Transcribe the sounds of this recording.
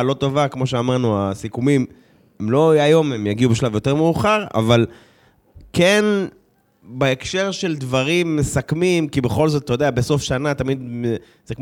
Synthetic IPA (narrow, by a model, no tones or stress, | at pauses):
lo̞t̪o̞vakmo̞ʃ̬eamaʁnuasikumim | emlo̞ajo̞memjaɡiubeʃlavjo̞te̞ʁmeuχaʁa̰val | ken | beekʃe̞ʁʃe̞ld̪vaʁimːesakmimkibeχo̞lzotat̪ajod̪eabeso̞fʃanat̪amid̪ | z̥ekm